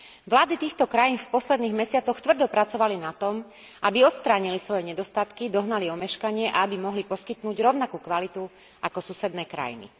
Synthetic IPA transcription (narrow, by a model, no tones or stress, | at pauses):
ʋlaːd̪it̪iːxt̪ɔkɾajiːnfpɔslɛd̪niːɣmɛsɪat͡sɔxt̪ʋr̩d̪ɔpɾat͡sɔʋalinat̪ɔm | ʔabiɔt̪st̪ɾaːɲilisʋɔjɛɲɛd̪ɔst̪at̪kid̪ɔɦnaliɔmɛʃkaɲɪɛʔa̰abimɔɦlipɔskit̪nuːɟɾɔʊnakuːkʋalit̪u | ʔakɔsusɛd̪nɛːkɾa̰jḭnḭ